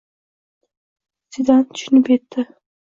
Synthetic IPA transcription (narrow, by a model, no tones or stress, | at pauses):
sɪd̪ant̪ʰʊ̥ʃʊnɪpet̪ːɪ